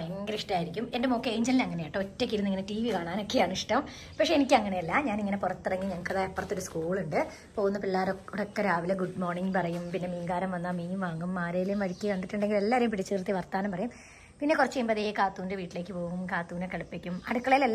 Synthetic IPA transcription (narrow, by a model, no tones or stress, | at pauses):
eŋɡɾiʂʈaːjiɾikʲːume̞ndɐmo̞ːkːeeɲd͡ʑɐlilɐŋːɐnejaːʈːɨotːek̬ʲːiɾunːiŋːɐneʈiːʋikaːɭaːno̞kːe̞ɐɳuʂʈɐm | pɐkʂeenikʲːɨɐŋːɐneɐlːaːmɲaːniŋːɐne̞purɐt̪ːirɐŋːiɲɐŋːɐkːɐðaːepːɐrɐt̪ːoɾuskuːɭuɳɖɨ | po̞ːɣunːɐpilːaːɾouɽokːeɾaːʋileɡuɖmo̞ːrɳiŋɡpɐrɐjumpinːe̞miːŋɡaːɾɐmʋɐnːamiːumʋaːŋːumːaːɾeːjlejumʋɐɻikʲːɨkɐɳɖiʈːuɳɖe̞ŋɡilelːaːʋɐɾjumpiɽit͡ɕːɨt̪rt̪ːiʋɐrt̪aːnɐmpɐrɐjum | pinːe̞kurɐt͡ɕːejumbɐðeːjkaːt̪ːuːindeʋiːʈːile̞ːkʲːɨpo̞ːɣumkaːt̪ːuːnekɐɭupːikʲːumɐ̰ɽukːɐɭejilelː